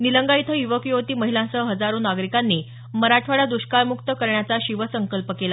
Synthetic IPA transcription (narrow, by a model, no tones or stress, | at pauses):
niləŋɡait̪ʰəjuʋəkjoʋt̪iːməɦilãt͡səɦəd͡zaɾuːnaɡɾikanːiː | məɾaʈʰʋaɽad̪uɕkaɾmukt̪əkəɾɳjat͡saɕiʋəsəŋkəlpəkela